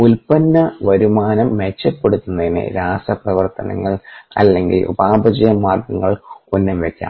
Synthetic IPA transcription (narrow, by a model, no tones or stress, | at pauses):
ulpɐnːɐʋɐɾumaːnɐmːet͡ɕːɐpːeɽut̪ːunːɐðinɨ̰ɾaːsɐprɐʋɐrt̪ɐnɐ̰ŋːɐɭɐ̰lːe̞ŋɡḭlʔṵbaːbɐd͡ʑɐjɐmːaːrɡɐŋːɐɭonːɐmʋekʲːa̰ːm